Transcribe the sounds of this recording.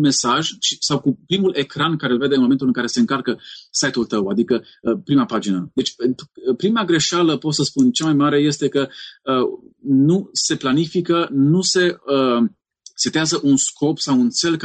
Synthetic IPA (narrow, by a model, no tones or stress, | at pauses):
me̞saʒt͡ʃi̥sawkupɾimulʔe̞kɾankaɾelve̞d̪eɨnmomet̪ulɨŋkaɾe̞se̞ɨŋkalkəsajt̪ult̪əwa̰d̪ikə | əpɾimapad͡ʒinəd̪e̞t͡ʃʲpenupɾimaɡɾe̞ʃaləpo̞t̪səspunt͡ʃamajmaɾe̞je̞st̪e̞kəənuse̞planifikənuse̞ə | set̪eazəʔunskʰo̞psawunt̪se̞lk